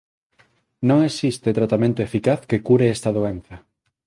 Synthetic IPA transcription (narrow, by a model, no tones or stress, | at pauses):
nõŋesist̪et̪ɾat̪amẽnt̪oefikaθkekuɾeest̪ɐðoenθɐ